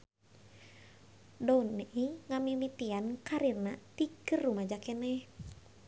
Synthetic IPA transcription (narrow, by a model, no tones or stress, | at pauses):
dɔunːɛʔiŋamilit̪iankaɾirnat̪ikɨrːumad͡ʒakɛnɛh